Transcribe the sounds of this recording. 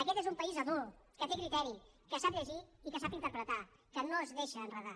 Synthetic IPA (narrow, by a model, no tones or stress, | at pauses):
əkɛt̪ezumpəizəðulˠ | kət̪ekɾit̪ɛɾi | kəsap̚ʎəʒiːkəs̬apint̪əɾpɾət̪a | kənoəzðeʃəːnrəða